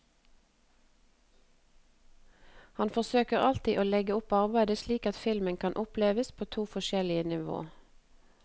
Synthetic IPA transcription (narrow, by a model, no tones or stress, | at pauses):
hɑnfɔsøːkəʁɑlt̪iːʔoːlɛɡəʊpɑʁbæɪd̪əsliːkɑt̪fɪlmənkʰɑnʔʊpleːʋəspʰoːt̪ʰuːfɔʃɛlɪənɪʋo̰ː